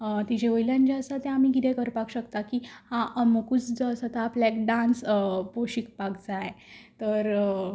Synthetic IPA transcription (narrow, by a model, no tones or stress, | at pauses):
t̪id͡ʑeʋəjljãɲd͡ʑaəsat̪jãamiɡid̪ekəɾpakɕəkt̪akihãʔməkut͡sd͡zasat̪aːplɛkɖãnspoɕik̚paɡd͡zajet̪əɾ